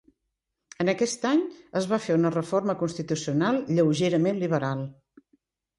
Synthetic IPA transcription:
ənəkɛst̪aɲəzβafeunərəforməkunst̪it̪usiunalˠʎəwʒeɾəmenliβəɾalˠ

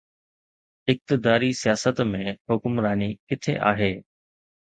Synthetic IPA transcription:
ɪk̚t̪ɪd̪aːɾisijaːsət̪mẽhʊkʊmɾaːnikɪt̪ʰḛʔa̰ːɦeː

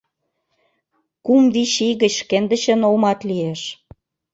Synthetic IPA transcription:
kumβiʃiɣə̆t͡ɕʃkend̪ə̆ɕə̆nolmɑt̪lieʃ

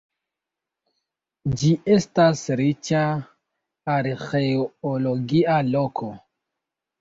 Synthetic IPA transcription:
d͡ʒiʔe̞stasɾit͡ʃaː | ɾxeooloɡialo̞kʰo

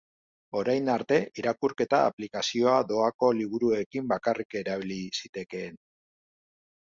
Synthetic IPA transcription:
o̞ɾajnaɾt̪e̞iɾakuɾke̞t̪a̰ːplikasio̞ad̪o̞ako̞liβ̞uɾue̞kimbakarike̞ɾaβ̞ilisit̪e̞ke̞ːn

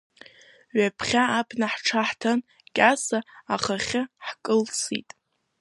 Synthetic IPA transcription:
ɥapʰχʲaːpʰnaħʈ͡ʂʰaħtʰan | ɡʲʼasaaχaχʲɪħkʼɨlt͡sʰḭtʼ

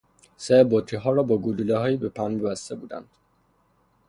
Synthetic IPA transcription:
sebot̪ʰɾiɦɒːɾɒːbɒːɡululeɦɒːjiːbepʰænbebæst̪e̞buːd̪æ̰nd̪̥

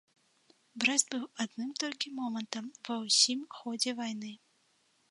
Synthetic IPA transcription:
bɾɛzd̪̚bɨwad̪nɨmt̪ɔlʲkʲimɔmɐnt̪ɐmvɐwsʲimxɔd͡zʲɛvajn̪ɨ

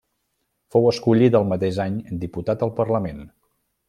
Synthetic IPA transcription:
fowəskuʎit̪əlˠmət̪eʒaɲd̪iput̪at̪əlˠpərləmen

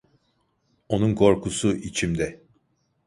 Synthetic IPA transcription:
o̞nunkʰo̞ɾkʰusuʔit͡ʃʰimd̪ɛ

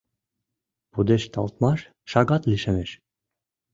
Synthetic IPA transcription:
pud̪eʃt̪ɑlt̪̚mɑʃ | ʃɑɡɑt̪liʃemeʃ

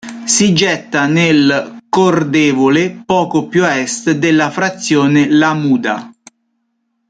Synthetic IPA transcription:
sid͡ʒɛt̪ːanelkord̪eːvolepɔːkopjuɛst̪d̪elːafɾat̪sːjoːnelamuːd̪a̰

